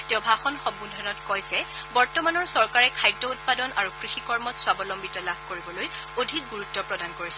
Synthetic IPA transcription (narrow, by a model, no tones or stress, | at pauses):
tɛʊbʱaxɔnxɔmbundʱɔnɔtkojsɛbɔɹtɔmanɔɹsɔɹkaɹɛkʰajdːɔut̚padɔnaɹukɹixikɔɹmɔtswabɔlɔmbitalabʱkoɹibɔloj | odʱik̚ɡuɹutːɔpɹɔdankoɹisɛ